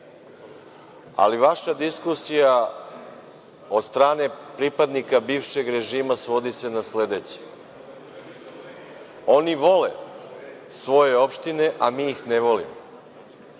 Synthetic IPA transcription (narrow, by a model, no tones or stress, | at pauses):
a̰liʋaʃad̪iskusija | o̞d̪st̪ɾaːne̞pɾipad̪nikabiːʋʃe̞ɡɾe̞ʒiːmasʋo̞d̪ise̞nasled̪e̞t͡ɕe̥ | o̞niʋo̞le̞̰ | sʋo̞je̞opʃt̪ine̞ʔamiːxneʋo̞lḭmo